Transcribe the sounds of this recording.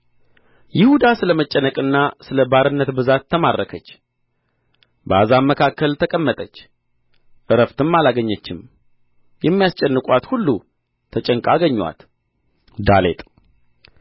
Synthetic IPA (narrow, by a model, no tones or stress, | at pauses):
jɪhud̪asɨləmət͡ʃʼːənəkʼɨnːasɨləbaɾɨnːət̪bɨzat̪ʰːəmadʔəkʰət͡ʃː | bəazamːəkʰakːəlt̪ʰəkʼəmːət̪ʼət͡ʃː | ʔɨɾəft̪ʰɨmːalaɡəɲːət͡ʃːɪm | jɛmːijast͡ʃʼɛnːɨkʼwat̪hulːu | t̪ʰət͡ʃʼəŋkʼaɡəɲːwa̰t̪ | d̪alḛt̪ʼ